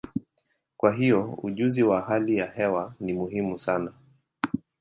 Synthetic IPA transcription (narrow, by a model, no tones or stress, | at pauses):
kwaɦiɔṵʄuziwahalijahɛwanimuɦimusana